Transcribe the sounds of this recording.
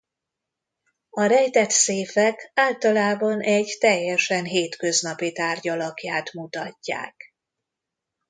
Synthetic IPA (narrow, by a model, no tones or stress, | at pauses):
ɒɾɛjt̪ɛt̪seːfɛkaːlt̪ɒlaːbɒnʔɛɟt̪ɛjːɛʃɛnɦeːt̪kø̞znɒpit̪aːrɟɒlɒkjaːt̪mut̪ɒcːa̰ːk